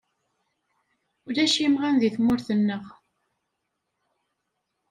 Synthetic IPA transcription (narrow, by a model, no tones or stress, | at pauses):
ʊɾæʃimʁanðiθmːʊɾθənːəʁ